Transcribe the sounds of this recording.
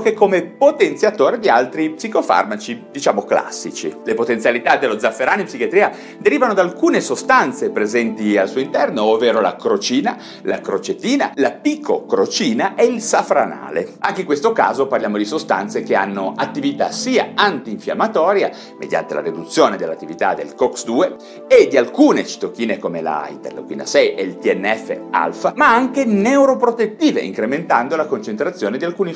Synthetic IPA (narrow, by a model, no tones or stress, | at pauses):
kekːomepot̪ent̪sjat̪oːɾed̪ialt̪ɾipsikofa̰rmat͡ʃid̪it͡ʃaːmokla̰sːit͡ʃḭlepot̪ent̪sjalit̪ad̪elːod̪zːafːeɾaːnoimpsikjat̪ɾiːa | d̪eɾiːvanod̪alkuːnesost̪ant̪sepɾezɛnt̪ialsuːoint̪ɛrnoovːeːɾola̰kɾot͡ʃiːna | lʔa̰kɾot͡ʃet̪iːna̰lapikːokɾot͡ʃiːnaʔɛilsafɾana̰ːlḛaŋkeiŋkwest̪oka̰ːzoparljamod̪isost̪a̰nt̪sekea̰nːoat̪ːivit̪asiːaant̪iːɱfja̰mːat̪ɔːɾja̰ | mḛd̪ja̰nt̪ela̰ɾid̪ut̪sːjoːned̪elːat̪ːivit̪a̰d̪ḛlkɔksd̪uːe | ed̪ialkuːnet͡ʃi̥t̪ok̟ːiːnekomela̰ḭnt̪ḛrlo̰kwḭːna̰sɛjʔɛlt̪iɛnːɛfːḛa̰lfamaaŋkenewɾopɾot̪et̪ːiːvḛʔḭŋkɾement̪and̪olakont͡ʃent̪ɾat̪sːjoːned̪ialkuːni